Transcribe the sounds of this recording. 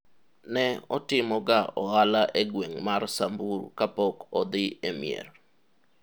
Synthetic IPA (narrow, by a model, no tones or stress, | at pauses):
nɛɔtɪmɔɡaɔalaʔeɡweŋmarsambuɾkapɔkɔd̪ɪemɪ̰ḛr